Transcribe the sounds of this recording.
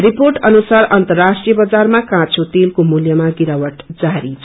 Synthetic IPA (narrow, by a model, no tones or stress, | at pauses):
riporʈʌnusarʌnt̪ʌrːasʈrijʌbʌd͡zarmakãt͡sʰot̪elkomuljʌmaɡiɾawʌʈd͡zaɾit͡sʰ